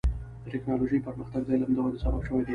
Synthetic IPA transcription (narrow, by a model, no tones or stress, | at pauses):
d̪̥əʈɪknɑloʒəjpəɾməxt̪aɡd̪ajlahand̪əɣad̪əsababʃəwajd̪a